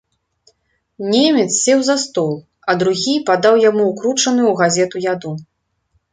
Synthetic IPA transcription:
nʲemʲɛt̪ssʲɛwzɐst̪ɔlˠ | ɐd̪ɾuɣʲipad̪awjamuukɾut͡ʂɐnɨjwɣazʲɛt̪ujad̪u

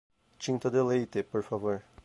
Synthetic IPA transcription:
t͡ʃĩnt̪ɐd̪elejt̪epoɾfavoɾ

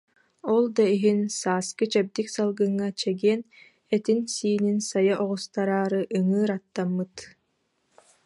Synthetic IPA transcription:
ɔlˠd̪aiɦinsaːskɯt͡ʃɛb̚d̪iksalˠɡɯŋːat͡ʃɛɡiɛn | ɛt̪insiːninsajaʔɔʁust̪aɾaːɾɯʔɯŋɯːɾat̪ːamːɯt̪

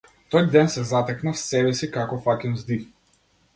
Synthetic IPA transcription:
t̪ɔjd̪ɛnsɛzat̪ɛknafsɛbɛsikakɔfakʲɛnzd̪if

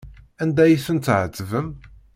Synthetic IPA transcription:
ænd̪æjisənt̪ːʕət͡sːvəm

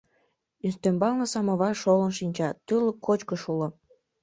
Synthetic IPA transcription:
yst̪embɑlnə̆sɑməβɑʃolənʃinʲt͡ɕɑt̪yləkːot͡ɕkəʃulŏ

